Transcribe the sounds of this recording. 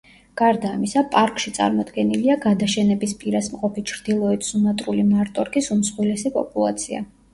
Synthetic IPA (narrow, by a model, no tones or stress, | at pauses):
ɡ̥aɾd̪aːmisapʼaɾkʼʃit̪sʼa̰ɾmɔd̪ɡɛniliaɡad̪aʃɛnɛbispʼiɾasmqʼɔpʰit͡ʃʰɾd̪̥ilˠɔɛt̪ʰsunat̪ʼɾulimaɾt̪ʼɔɾkisumsχwilɛsipʼɔ̰pʼulˠa̰t̪sʰia̰